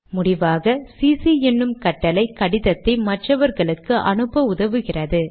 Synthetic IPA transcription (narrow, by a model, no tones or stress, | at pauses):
mʊɽɪʋaːɣɐsiːsiɛnːɯmkɐʈːɐlɐɪkːɐɽɪðɐt̪ːɐɪmɐʈrɐʋɐɾɣɐɭɯkːɯʔɐ̰nɯpːɐʊðɐʋɯɣɪrɐðɯ